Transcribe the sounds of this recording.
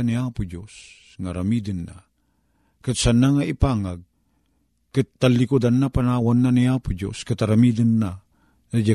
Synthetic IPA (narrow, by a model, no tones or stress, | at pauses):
aniapʊd͡ʒos | ŋaɾamid̪ənːa̰ | kɨt̪sanaŋaipaŋaɡ̚ | kɨt̪ːalːikud̪anːapanawanːaniapʊd͡ʒo̰skat̪aɾamid̪ənːa | nad͡ʒa